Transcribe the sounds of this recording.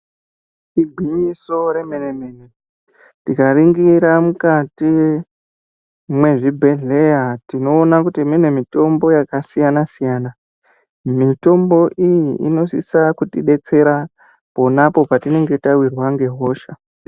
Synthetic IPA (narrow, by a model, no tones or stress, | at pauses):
iɡʱwiɲiso̞ɾe̞menemeːne | tikaɾiŋɡiɾamukati | mwe̞ʐibʱe̞ɮe̞jatino̞ːnakutimine̞mito̞mbo̞jakasijanasijaːna | mito̞mbo̞ʔijiʔino̞sisakutiɗe̞t͡se̞ɾa | po̞napo̞patine̞ŋɡe̞tawirwaŋɡe̞ɦo̞ːʃa